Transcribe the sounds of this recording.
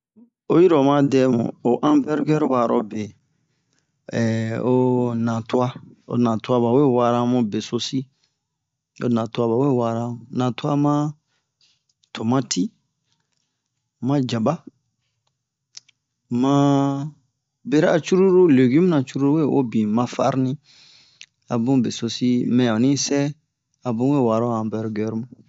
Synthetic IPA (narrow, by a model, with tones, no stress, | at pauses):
o˦ji˦ɾɔ˨mã˦dɛ˦mṵ̃˨o˨ʔã˦mbɛ˦ɾɡɛ˦ɾwa˨ɾɔ̰˧be˨ | ɛ˨o˦nã˨tu˦a˦o̰˨nã˨ta˦βa˨we˦˨wa˨˧ɾã˦mũ˧be˨so˧si˦ | o̰˨nã˨tu˦a˦βa˨we˦˨wa˧ɾã˧˦˨nã˨tu˦a˦mã˦ | tʰo˨mã˦ti˦ | mã˧d͡ʒa˨ba˦ | mã˦ | be˦ɾa˦a˨t͡ʃu˦ɾu˦ɾu˦le˨ɡi˦mũ˦nã˨t͡ʃu˦ɾu˦ɾu˦e˦˨o̰˦bĩ˨mã˧fa̰˦ɾnĩ˦ | a˨bũ˦be˨so˧si˦mɛ̃˨ɔ˨nĩ˦sɛ˦ | a˨bũ˦we˦˨wa˨ɾa˦˨ã˨bɛ˨ɾɡɛ˨˦ɾmũ˦